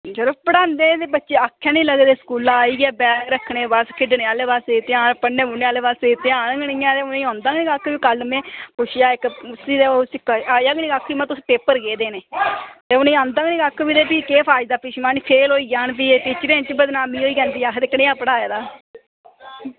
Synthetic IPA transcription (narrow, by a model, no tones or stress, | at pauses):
d͡ʒəɾəpəɽãːnd̪eːnt̪eːbətːʃeːaːkʰːjãːnĩːləɡeːd̪eːskuːlãːiːɡɛːbɛːkɾəkʰɽeːbaːskʰɪɖneːaːleːbaːsd̪eːt̪ːãːpənːeːbuneːaːleːbaːseːt̪ːãːnəŋɡənĩːãːt̪eːʊnẽːõːnd̪aːɡniːɡakːbiːkəlmẽːpʊʃʰjaːɪksĩːd̪eoːsɪkːaːjaːɡnĩːɡaːkʰiːmãt̪ʊsiːpeːpəɾɡeːd̪eːneːt̪eːʊnẽːãːnd̪aːŋɡniːɡakʰːbiːd̪eːpiːkeːpʰaːɪd͡ʒd̪aːpɪʃmaːniːpʰeːloːiːd͡ʒaːnpiːepit͡ʃɾẽːt͡ʃbəd̪naːmiːoːiːkɛ̃ːnd̪iːaːkʰd̪ekɽẽːãːpəɽaːjaːd̪aː